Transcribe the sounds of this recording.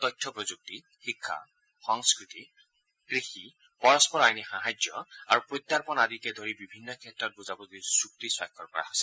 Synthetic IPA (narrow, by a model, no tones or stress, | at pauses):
tɔjtʰːɔpɹozuk̚ti | xikʰːa̰ | xɔŋskɹit̪i | kɹixi | pɔɹɔspɔɹajnixaɦad͡ʒjɔaɹupɹojt̪ːaɹpɔnaditɛdʱoɹibibʱinːɔkʰɛtːɹɔt̚buzabɔzdisɹuk̚tiswajkʰːɔɹkɔɹa̰ɦɔjsɛ